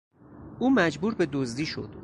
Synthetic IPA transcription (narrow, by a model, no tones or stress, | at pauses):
ʔuːmæd͡ʒbuːɾbe̞d̪ozd̪iːʃo̞̰d̪̥